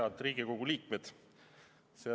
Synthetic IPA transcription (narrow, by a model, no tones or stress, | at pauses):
ɑd̪riːɡ̥iko̞ɡ̥uliːk̚med̪̥ | se